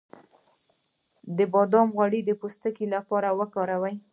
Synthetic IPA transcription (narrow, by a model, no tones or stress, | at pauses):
d̪əbɑd̪ɑmɣwaɽid̪əpost̪əkilapɑɾawəkɑɾawaj